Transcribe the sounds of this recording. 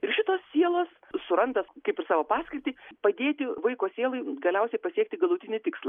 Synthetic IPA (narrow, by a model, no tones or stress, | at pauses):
ɪɾʃʲɪt̪oːssʲiɛlˠoːs | sʊɾɐnd̪ɐskɐɪpɪrsɑːʋoːpɑːsʲkʲɪɾʲt̪ʲiːpɐd̪ʲeːt̪ʲɪʋɐɪkoːsʲiɛlˠɐɪɡɐlʲɛʊsʲɛɪpɐsʲiɛk̚t̪ʲɪɡɐlˠʊt̪ʲɪnʲɪt̪ʲɪkslˠɐ